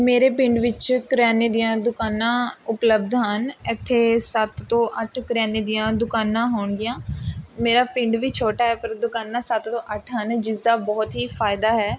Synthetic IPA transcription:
meːɾeːpɪ̃ɳɖʋɪt͡ʃkɾɛːneːd̪ɪjãːd̪ʊkaːnãːʊpləb̚d̪ɦənɪt̪ʰːeːsət̪ːõːʔəʈʰkɾɛːneːd̪ɪjãːd̪ʊkaːnãːɦoːɳd̪ɪjãːmeːɾaːpɪ̃ɳɖʋiːt͡ʃʰoːʈaːɦɛːpəɾd̪ʊkaːnãːsət̪t̪õːʔəʈʰɦənd͡ʒɪsd̪aːbɔːt̪ɦiːfʰaːɪd̪aːɦɛː

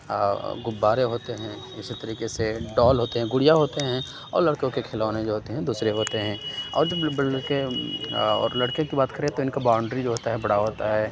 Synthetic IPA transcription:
ɡʊbːaːɾeɦoːt̪eɦɛ̃ː | ɪsit̪ɐɾiːkeseɖɔːlɦoːt̪eɦɛ̃ɡʊɽijaɦoːt̪eɦɛ̃ | ɔ̰ːɾlɐɽkõkekʰelaːnẽd͡ʒoɦoːt̪eɦɛ̃d̪uːsɾeɦoːt̪eɦɛ̃ːɔ̰ːɾd͡ʒɐbke | ɔ̰ːɾlɐɽkẽkibaːt̪kɐɾeɛ̃t̪oɪnkabaːʊ̃ɳɖɾid͡ʒoɦoːt̪aɦɛbɐɽ̤aɦoːt̪aɦɛː

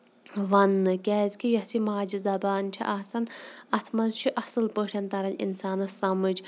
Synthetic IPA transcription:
ʋɐnːɨkʲɛːzkʲijɐsimaːd͡ʒizɐbaːnt͡ʃʰḭʔasɐnɐt̪ʰmɐzt͡ʃʰiʔɐsɨlpəʈʰʲɐnt̪ɐɾɐnḭnsaːnɨsɐmɨd͡ʒ

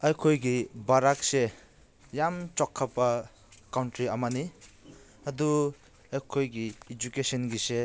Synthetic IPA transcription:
ɐjkʰojɡibaɾakse | jamt͡ʃɔkʰːapa | kawntɾiamani | ɐdu | ɐjkʰojɡiːd͡ʒukesɔnɡise

